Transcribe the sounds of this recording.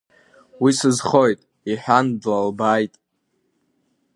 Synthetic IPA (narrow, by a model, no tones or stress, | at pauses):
wisɨzχojtʼ | iħᶣandlalbajtʼ